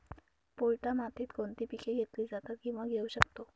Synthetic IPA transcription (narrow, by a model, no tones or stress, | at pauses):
poɭʈamat̪iːt̪kont̪iːpikʰeɡʱet̪liːd͡zat̪at̪̚kĩw̃ʋaɡʱeuɕəkt̪o